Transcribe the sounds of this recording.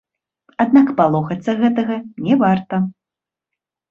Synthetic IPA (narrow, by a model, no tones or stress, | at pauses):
ad̪nakpalˠɔxɐt̪sːɐɣɛt̪ɐɣɐnʲɛvart̪ɐ